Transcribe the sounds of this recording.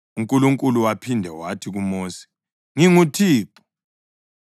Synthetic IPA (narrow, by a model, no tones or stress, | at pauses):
uŋkʼuluŋkʼuluwapʰindʱɛwatʰiɣumoːsi̥ | ŋiŋutʰiːǃu̥